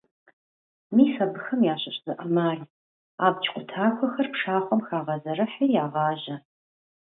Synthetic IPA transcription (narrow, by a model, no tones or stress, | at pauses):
miːsɐbɨxɐmjaːɕɐɕʼzɨʔɐmaːr | aːbt͡ʃʼqʷʼʊtʰaːxʷɔxɐrpʂaːχʷɔmxaːʁɐzɐrɐħijaːʁɑːʑɐ